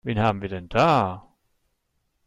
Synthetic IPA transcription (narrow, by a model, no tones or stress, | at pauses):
veːnhaːbm̩viːɐdɛnd̥aː